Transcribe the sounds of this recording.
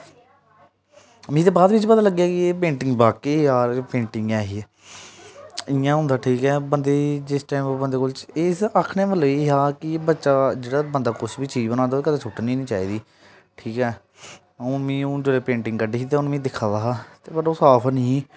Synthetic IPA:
mĩːt̪eːbaːd̪ʋɪt͡ʃpət̪aːləɡːejaːkɪeːpẽːɳʈɪŋɡbaːkiːaːɾpẽːɳʈɪŋɡɛːɦiː | ɪãːɦʊ̃ːnd̪aːʈʰiːkɛːbənd̪eːd͡ʒɪsʈaːimːbənd̪eːkʊlt͡ʃesakʰnẽːməloːeːɦaːkɪbətːʃaːd͡ʒeːɽaːbənd̪aːkʊʃbiːt͡ʃiːbənãːd̪aoeːkət̪eːt͡ʃʰʊʈnĩːnĩːt͡ʃaːiːd̪iː | ʈʰiːkɛː | ũːmĩːõd͡ʒoːleːpẽːɳʈɪ̃ŋɡkəɖeːiːt̪eːʊnːmĩːd̪ɪkʰaːd̪aːɦaːt̪eːbəɖosaːpʰənĩː

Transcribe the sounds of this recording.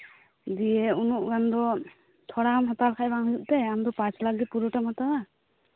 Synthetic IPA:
d̪ijɛunuʔɡand̪ɔ | t̪ʰɔɽamɦɔt̪alkʰajbaŋɦujuʔ̚t̪ɛamd̪ɔpat͡ʃlak̚ɡɛpuɾuʈamhat̪aa

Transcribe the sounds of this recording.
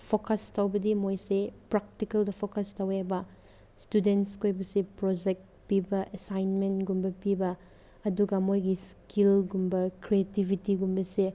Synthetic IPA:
pʰokɐstʰɐwbɐdimojsepɾak̚tikɐldɐpʰokɐstʰɐwebɐ | studenskʰojbɐsipɾod͡ʒek̚t̚ | pibɐʔesajnmentɡumbɐpibɐː | ɐduɡɐmojɡiskilɡumbɐkɾietibʱitiɡumbɐse

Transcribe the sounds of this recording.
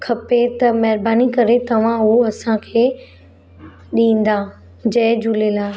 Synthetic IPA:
kʰɐpet̪ɐmɛɦɪɾbaːnikɐɾet̪ɐʋ̤ãʊɦoɐsãkʰeː | ɗĩːn̆d̪aː | d͡ʑɐ̃ːd͡ʑʱʊlelaː

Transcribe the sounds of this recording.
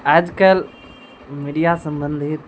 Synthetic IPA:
ad͡ʒkəl | miɖijasə̃mbə̃nd̪ʱit̪̚

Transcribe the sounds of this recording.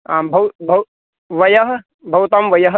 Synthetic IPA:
abʱɐwbʱɐw | ʋɐjɐɦ | bʱɐwt̪amʋɐjɐɦ

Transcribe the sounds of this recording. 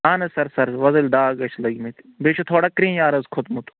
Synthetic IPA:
aːnɐsɐɾsɐɾʋɐzɐlɖaːɡɐʃʰlɐɡmit̪ | beʃʰot̪ʰoːɽakɾĩːjaːɾɐzkʰot̪mut̪

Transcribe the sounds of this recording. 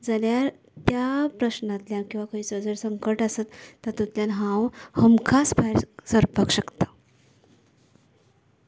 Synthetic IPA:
d͡zalja | t̪japɾəɕnãt̪ljakĩw̃ʋakaɦiːsəd͡zəɽsəŋkəɾʈasat̪ːat̪ut̪ljanɦãwhəmkʰasbʱaɾsəɾpəkɕəkt̪ḁ

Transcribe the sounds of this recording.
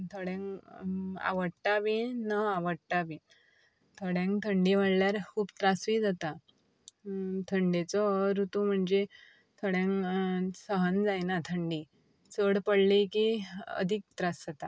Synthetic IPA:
t̪ʰɔɽẽŋ | a̰ʋəɽʈaʋinəaʋəɽʈabi | t̪ʰɔɽẽŋkt̪ʰəɳɖiʋaɽljaɾkʰuːbt̪ɾasʋid͡zat̪a | t̪ʰəɳɖet͡sɔɾut̪um̤əɳd͡ze | t̪ʰəɽjãŋsəɦənd͡zajnat̪ʰəɳɖi | t͡səɽpəɽlikiə̰d̪ʱik̚t̪ɾasd͡zat̪a

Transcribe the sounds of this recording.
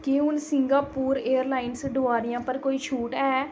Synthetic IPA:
kɪʊnsɪŋɡaːpuːɾeːəɾlaːɪnsɖoːaːɾɪjãːpəɾkoːiːt͡ʃʰuːʈɛː

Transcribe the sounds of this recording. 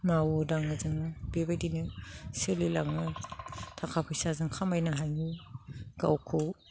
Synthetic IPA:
mawodaŋɯzɯŋɯbebajdinɯsɯlilaŋɯtʰakʰapʰɯjsazɯŋkʰamajnaɦajuɡ̥awkʰow

